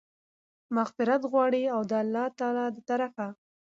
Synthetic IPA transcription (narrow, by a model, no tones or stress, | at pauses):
maxfɪɾat̪ɣwɑɽiawd̪əalːɑt̪ɑlɑd̪ət̪aɾafa